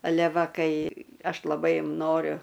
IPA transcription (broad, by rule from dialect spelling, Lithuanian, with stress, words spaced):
ɐˈlʲɛ ˈʋɐ ˈkɐɪ ˈɐʃ lˠɐˈbɐɪ ˈnoːrʲʊ